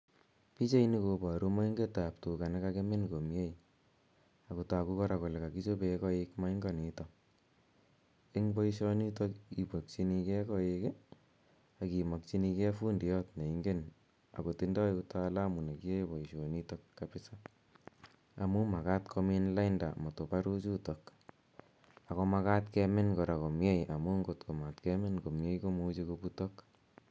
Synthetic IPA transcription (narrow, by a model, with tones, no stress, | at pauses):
pi˦t͡ʃe˦i˦ni˦ko˨ba˨ɾu˦ma˦i˦ŋɡe˦ta˨p̚tu˨ka˨ne˦kake˦me˦nko˨mje˦j | a˨ku˨ta˨ku˦kɔ˦ɾa˨kɔ˨le˨ka˨ki˦t͡ʃo˦bekɔ˦ekma˦i˦ŋɡa˦ni˨tɔ | e˦ŋbɔ˦iʃ̬ɔ˦ni˦to˦ki˨po˨k̚t͡ʃi˦ni˧kɛ˦kɔ˦e˧ke˦ | a˨ki˨mɔ˨k̚t͡ʃi˦ni˧ke˦fu˦ndi˨jɔ˦tne˨i˦ŋɡe˦n | a̰˨ko˨ti˦ndɔ˦uta˦la˦mu˨ne˨ki˦e˦bɔ˨i˨ʃo˨nitokːapɪ˦sa | amu˦ma˨ka˦tkʰo˦minla˦inda̰˨mo˨to˨pa˦ɾu˦t͡ʃu˦tok | a˨kɔ˧ma˦ka˦tkeme˦nko˨ɾa˨ko˨mje˦jʔa˨mu˦ŋɡo˨tko˨ma˨tkeme˦nko˨mje˦jko˦mu˦t͡ʃeko˧buto˦k